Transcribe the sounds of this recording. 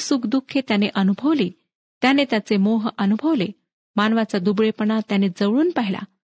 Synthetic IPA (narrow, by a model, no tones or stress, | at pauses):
sukd̪ukʰːet̪janeʔənubʱəʋliː | t̪janet̪jat͡semoɦʔənubʱəʋle | manʋat͡sad̪ubɭepəɳat̪janed͡zəʋɭuːnpaɦila̰